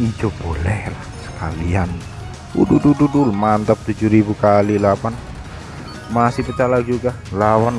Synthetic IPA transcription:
id͡ʒɔb̥olɛhlahsə̥kalian | ṵdudududulmant̪əp̚t̪ud͡ʒuɾibukalilapan | masɪpət͡ʃalad͡ʒuɡa | lawan

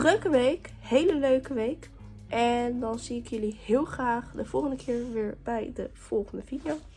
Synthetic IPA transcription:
drøkəʋejk | hejləløɥkəʋejk | ʔɛndɑnziɪkjɵlihɪːlˠχraːχdəv̥ɔlˠχəndəkʰɪːɹʋɪːɹb̥ɛjdəv̥ɔlˠχəndəvidijo

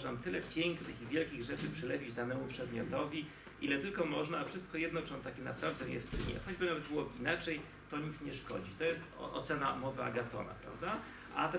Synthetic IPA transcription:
ʐnamt̪ɘlɛpʲjɛŋknɘxivʲjɛlkʲiɣʐɛt͡ʂɘpʂɘlɛvʲid͡ʑd̪anɛmupʂɛd̪mʲjɔt̪ɔvʲi | ʔilɛt̪ɘlkɔmɔʐnaːfʂɘst̪̚kɔjɛd̪nɔt͡ʂɔnt̪akʲɛna̰pɾavd̪ɛjɛ̰st̪ɘɲɛ̰xɔd͡ʑbɘnavɛd̪̚bɘwɔbɘinat͡ʂɛj | t̪ɔɲit̪sɲɛʂkɔ̰d͡ʑit̪ɔjɛst̪ʔɔ̰t̪sɛnamɔvɘa̰ɡat̪ɔ̰na̰pɾa̰vd̪a | ʔa̰t̪

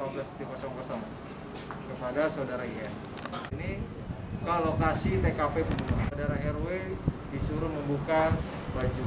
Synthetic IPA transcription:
ablasət̪ikasɔŋpɔsɔŋ | kəpadasaudaɾaia | ini | kalokasit̪ekapepusadaɾaɦɛrwedisuɾʊməmbuka | bad͡ʒu

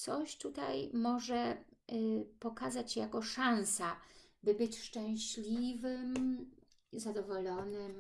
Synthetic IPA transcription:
t̪sɔɕt̪ut̪a̰jmɔʐɛ | pɔkazat͡ɕːjakɔʂansabɘbɘt͡ɕʂt͡ʂɛ̃w̃ɕlʲivɘm | zad̪ɔvɔlɔnɘm

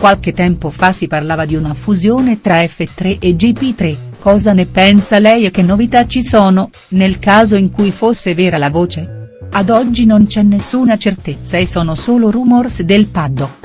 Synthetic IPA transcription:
kwalket̪ːɛmpofasːiparlaːvad̪iunafuzjoːnet̪ɾaɛfːet̪ːɾeʔed͡ʒipit̪ɾekːɔːzanepɛnsalɛjek̟enːovit̪at͡ʃːisɔːno | nelkaːzoiŋkujfosːevɛːɾalavoːt͡ʃead̪ɔd͡ʒːinont͡ʃɛnːesːuːnat͡ʃert̪et̪sːaesːɔːnosoːlorumorsd̪elpad̪ːo

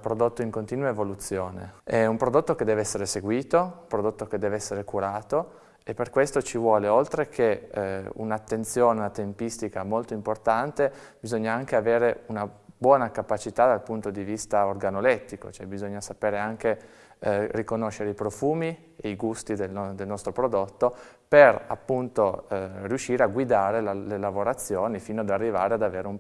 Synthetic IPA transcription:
pɾod̪ot̪ːoiŋkont̪iːnwaevolut̪sːjoːnḛɛumpɾod̪ot̪ːoked̪ːɛːveɛsːeɾeseɡwiːt̪oumpɾod̪ot̪ːok̟ed̪ːɛːveɛsːeɾekuɾaːt̪o | epːerkwest̪ot͡ʃivwɔːleolt̪ɾek̟ʰeṵnat̪ːent̪sjoːneunat̪empist̪ikamolt̪oimport̪ant̪e | bizoɲːaaŋkeaveːɾeunabwɔːnakapat͡ʃit̪ad̪alpunt̪od̪ivist̪aorɡanolɛt̪ːiko̰t͡ʃoɛbizoɲːasapeːɾeaŋke | rikonoʃːeɾeipɾofuːmi | eiɡust̪id̪elnd̪elnɔst̪ɾopɾod̪ot̪ːo | pera̰pːunt̪orjuʃːiːɾeaɡwid̪aːɾelalelavoɾat̪sːjoːnifiːnoad̪arːiva̰ːɾead̪aveːɾeum

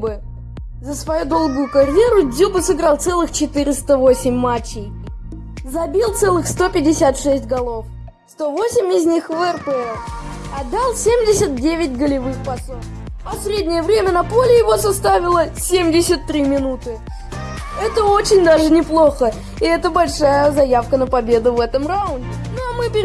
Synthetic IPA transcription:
bɨ | zəsvɐjud̪o̞lˠɡʊjʊkɐɾʲje̞ɾʊd̪ʲzʲubɨsɨɡɾɑlˠt̪sɛlˠɨxt͡ɕɪt̪ɨɾʲɪst̪əvo̞sʲɪmʲːat͡ɕːɪj | zɐbʲilˠt̪sɛlˠɨxst̪o̞pʲɪdʲɪsʲat̪ʂɛsʲtʲɡɐlˠo̞f | st̪o̞vo̞sʲɪmʲɪzʲnʲixvɛrpəɛ | ɐd̪ːalˠsʲemʲdʲɪsʲət̪̚dʲevʲɪtʲɡəlʲɪvɨxpɐsof | ɐsʲɾʲedʲnʲɪjəvɾʲemʲənɐpo̞lʲɪjɪvo̞sɐst̪avʲɪlˠəsʲemʲdʲɪsʲət̪ːɾʲimʲɪnut̪ɨ | ɛt̪əo̞t͡ɕɪnʲd̪aʐɨnʲɪplˠo̞xə | ɪɛt̪əbɐlʲʂajəzɐjafkənəpɐbʲe̞d̪ʊvɛt̪əmraʊnʲdʲɪ | noɐmɨpʲɪ

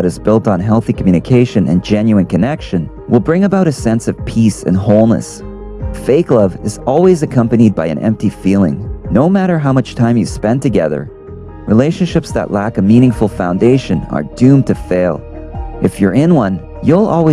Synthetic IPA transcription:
ɨɾɨzbɪlˠtn̩ɦɛlˠθikʰmjʉ̃nɨkʰeɪʃɨ̃nʔɨ̰̃nd͡ʒɛ̃njʉɨ̃nkʰɨnɛkʃɨ̃n | wəlˠbɹɪ̃ŋɨbaʊɾɨsɛ̃nsʌv̥pʰisɨ̰̃nhoʊlˠnɨ̰s | feɪklʌvɨzɔlˠwizɨkʰʌ̃mpɨnid̚baɪɨ̰̃nʔɛ̰̃mp̚tifilˠɪ̰̃ŋnoʊmæɾə˞ɦaʊmʌt͡ʃtʰãɪ̃mjɨspɛ̃ntɨɡɛðə̰˞ | ɹʔileɪʃɨ̃nʃɪpsðə̰ʔlækʌmĩñɪ̃ŋfl̩ˠfãʊ̃ndeɪʃɨ̃nə̰˞dʉ̃mtʰɨfeɪlˠ | ʔɨfjə˞ɪ̃nwʌ̃n | julˠɔ̰lˠwi

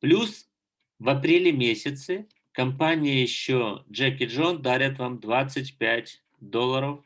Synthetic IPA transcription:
plʲus | vɐpɾʲelʲɪmʲesʲɪt̪sɨ | kɐmpanʲɪjəjɪɕːoʐɛkʲɪʐond̪aɾʲɪt̪vamd̪vat̪sɨtʲpʲætʲ | d̪olˠːəɾəf

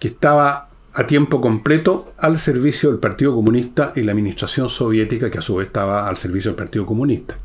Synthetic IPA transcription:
keht̪aβa | at̪jempokomplet̪oalseɾβisjoðelpaɾt̪iðokomunist̪aʔilaːminist̪ɾasjonsoβjet̪ikakeasuβest̪aβaːlseɾβisjoelpaɾt̪iðokomunist̪ḁ

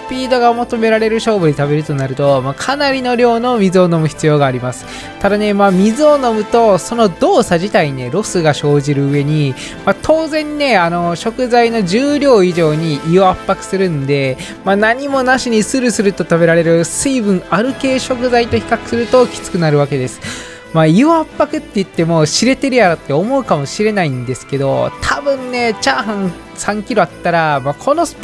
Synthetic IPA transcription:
pʲiːd̪o̞ɡamot̪o̞me̞ɾaɾe̞ɾɯ̟ɕo̞ːbɯ̟ɲit̪aβe̞ɾɯ̟t̪o̞naɾɯ̟t̪o̞makʰanaɾʲino̞ɾʲo̞ːno̞mʲizɨo̞no̞mɯ̟çi̥t͡sɨjo̞ːɡaːɾʲimasɨ̥ | t̪ad̪ane̞maːmʲizɨo̞no̞mɯ̟t̪o̞so̞no̞d̪o̞ːsaʑit̪aine̞ɾo̞sɨɡaɕo̞ːʑiɾɯ̟ɯ̟e̞ɲ̟i | mat̪ʰo̞ːzẽ̞nːe̞ano̞ɕo̞kɯ̟zaino̞ʑɨːɾʲo̞ːiʑo̞ːɲ̟iʔioapːakɯ̥sɨɾɯ̟nd̪e̞ | manaɲ̟imo̞naɕiɲ̟isɨɾɯ̟sɨɾɯ̟t̪o̞t̪abe̞ɾaɾe̞ɾɯ̟sɨibɯ̟̃ɰaɾɯ̟ke̞ːɕo̞kɯ̟zait̪o̞çi̥kakɯ̟̥sɨɾɯ̟t̪o̞kʲi̥t͡sɨ̥kɯ̟naɾɯ̟β̞ake̞d̪e̞sɨ̥ | maiɯapːakɯ̟t̪ːe̞ɯ̟t̪ːe̞mo̞ɕiɾe̞t̪e̞ɾɯ̟jaɾat̪ːe̞omo̞ɯ̟kamo̞ɕiɾe̞naĩnd̪e̞sɨ̥ke̞d̪o̞̰t̪ʰabɯ̟̃nːe̞t͡ɕaːɦãñ | sãŋkʲiɾo̞at̪ːaɾamakʰo̞no̞̥

